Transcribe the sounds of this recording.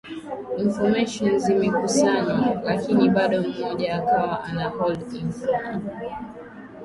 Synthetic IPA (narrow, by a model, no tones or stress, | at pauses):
iɱfɔmɛʃɔnzimɛkusaɲwalakiniɓaɗɔm̩ːɔʄaːkawaʔanahɔldinfɔm